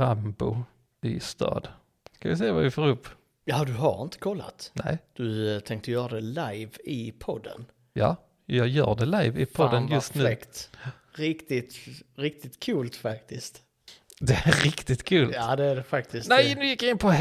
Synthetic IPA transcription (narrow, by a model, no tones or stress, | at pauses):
ambʊ | ɪst̪ʰɑ̰ːd̪ | skavɪsɛjːavavɪfoːɾɵpː | jɑd̪ɵɦa̰ɾɪ̰nt̪ə̥kʰɔlːa̰t̪nʔɛɪd̪̥ɵt̪ʰɛŋkt̪əjœːɾad̪ɛlajvɪpʰɔd̪ːə̰n | jɑ̰ː | jɑːjœ̰ːɖɛlajvɪpʰɔd̪ːənjɵst̪nʉkt̪ | ɾɪkt̪ɪt̪ɾɪk̚t̪ɪt̪kʰʉːlt̪fakt̪ɪst̪ | d̪ɛæɾɾɪkt̪ɪt̪kʰʉːlaːd̪ɛæɖɛfakt̪ɪsnɛɪnʉjɪkjaɪnpʰɔ